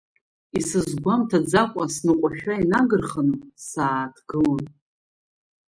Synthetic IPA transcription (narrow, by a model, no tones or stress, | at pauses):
isɨzɡʷamtʰad͡zakʷʼasnɨqʷʼaʃᶣainaɡɨrχənɨsaːtʰɡ̥ɨlʼ